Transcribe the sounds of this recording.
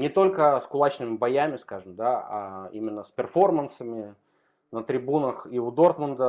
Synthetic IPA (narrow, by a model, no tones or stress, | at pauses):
nʲɪt̪o̞lʲkəskʊlˠat͡ɕnɨmʲɪbɐjamʲɪskaʐɨmd̪aa̰imʲɪnːəspʲɪrfo̞rmənsəmʲɪ | nət̪ɾʲɪbunəxiʊd̪o̞rt̪mənd̪ə